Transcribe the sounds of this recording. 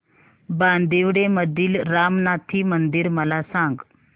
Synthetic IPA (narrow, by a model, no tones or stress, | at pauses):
band̪iʋɽeməd̪ʱiːlɾamnat̪ʰiːmənd̪iɾməlasãŋɡ